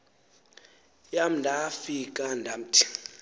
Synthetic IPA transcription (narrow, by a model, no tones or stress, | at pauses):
jam̩ndʱafikʼandʱam̩tʰʼi̥